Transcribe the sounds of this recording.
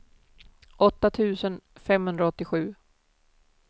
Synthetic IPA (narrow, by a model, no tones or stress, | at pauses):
ʔɔt̪ːat̪ʰʉ̟ːsənfɛmhɵnd̪ɾaɔt̪ːɪɧʉ̟ː